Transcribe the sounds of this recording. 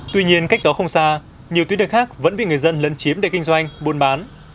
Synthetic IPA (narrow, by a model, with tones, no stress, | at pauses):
t̪wi˧ɲi˧ənka˦˥k̚ɗɔ˨˦xə˧wŋ͡msaː˧ | ɲi˨˩ət̪wɗə˧˩xaː˦˥k̚və̰˧˥nɓḭ˧˨ŋɨ˨˩əjzə˧nlə˨˦nt͡ɕi˨˦əmɗḛ˧˩ki˧ŋ̟zwa˧jŋ̟ɓu˧nɓaː˨˦n